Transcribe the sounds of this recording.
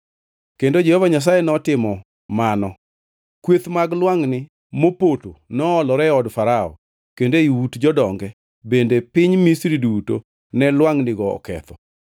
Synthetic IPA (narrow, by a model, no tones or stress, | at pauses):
kendod͡ʒehɔvaɲas̬ajenɔtɪmɔ | manɔ | kwet̪maɡlwaŋnɪ | mopotonɔːlɔɾɛɔdfaɾaɔ̰ | kendeiwutd͡ʒɔdɔŋɡɛ | bendepɪɲmisɾiduto | nɛlwaŋnɪɡɔɔ̰kɛ̰t̪ʰɔ